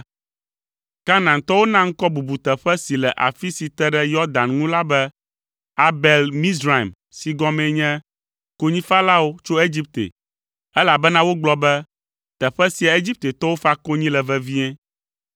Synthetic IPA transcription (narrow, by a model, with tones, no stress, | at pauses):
ka˦nã˨nt̪ɔ˦wo˦nã˦ŋ̩˦kɔ˦bu˨bu˨t̪ɛ˨ɸɛ˦si˨lɛ˨ʔa̰˨fi˦si˨t̪ɛ˦ɖɛ˦jɔ˦d̪ã˨nŋũ˦la˦bɛ˦ | a˦bɛ˨lmĩ˦sɾa˨m | si˨ɡɔ̃˦mɛ̃˨ɲɛ̃˦ | ko˦ɲĩ˦fa˦la˦wo˦t͡ʃo˦e˦d͡ʑi˦p̚t̪ḛ˨ | ɛ˦la˨bɛ˦nã˦wo˦ɡ͡blɔ˦bɛ˦ | t̪ɛ˨ɸɛ˦si˨a˨e˦d͡ʑi˦p̚t̪e˨t̪ɔ˦wo˦fa˦ko˦ɲĩ˦lɛ˨vɛ˨vi˦ɲɛ̃˦